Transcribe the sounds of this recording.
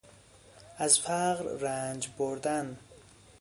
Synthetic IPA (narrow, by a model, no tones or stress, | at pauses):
azfaɣɾɾand͡ʒboɾd̪an